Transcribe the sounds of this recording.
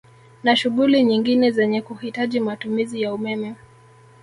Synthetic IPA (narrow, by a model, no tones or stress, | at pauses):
naʃuɠuliɲiŋɡinɛzɛɲɛkuhitaʄimatumizijaumɛmɛ